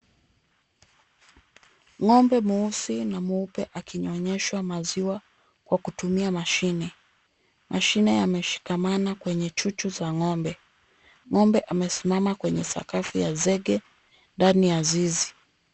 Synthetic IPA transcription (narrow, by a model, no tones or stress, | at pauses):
ŋɔmbɛmuusinamuupɛʔakiɲɔɲɛʃwamaziwa | kwakutumiamaʃinɛ | mʔaʃinɛjamɛʃi̥kamanakwɛɲɛt͡ʃut͡ʃuzaŋɔmbɛ | ŋɔmbɛʔamɛsimamakwɛɲɛsa̰kafijazɛɠɛ | ndanijazizi